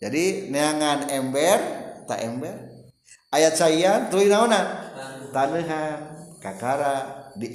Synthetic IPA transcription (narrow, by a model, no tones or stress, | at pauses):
d͡ʒadineaŋanɛmbɛrt̪a̰ʔɛmbɛr | ajat͡ʃaiant̪uinaonat̪anəɦankakaɾadi